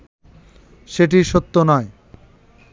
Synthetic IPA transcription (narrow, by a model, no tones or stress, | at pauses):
ʃeʈ̬iʃot̪ːonɔe